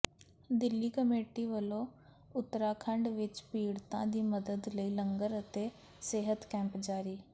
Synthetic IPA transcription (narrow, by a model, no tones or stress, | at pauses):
d̪ɪlːiːkəmeːʈiːʋəlõː | ʊt̪ɾaːkʰəɳɖʋɪt͡ʃpiːɽt̪ã̰ːd̪iːməd̪əd̪ləiːləŋɡəɾət̪eː | seːɦət̪kɛ̃ːmpd͡ʒaːɾiː